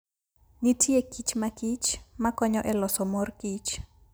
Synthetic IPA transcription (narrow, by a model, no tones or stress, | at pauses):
nitʰiekit͡ʃmakit͡ʃmakɔɲɔʔɛlɔsɔmorkit͡ʃ